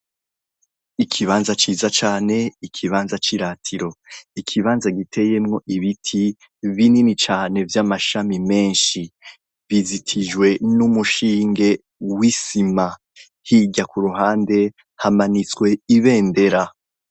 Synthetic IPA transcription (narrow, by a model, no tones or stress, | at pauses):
ikʰiβaːnzat͡ʃiːzat͡ʃaːne̞ikʰiβaːnzat͡ʃiɾatʰiɾo̞ikʰiβaːnzaɡitʰe̞je̞mŋo̞ʔiβitʰi | βininit͡ʃaːne̞vjamaʃamime̞ːnʃi | βizitʰid͡ʒwe̞numuʃiːŋɡe̞ | wisima | hiɟakuɾuɦaːnde̞ | hamanit͡swe̞iβe̞ːnde̞ɾa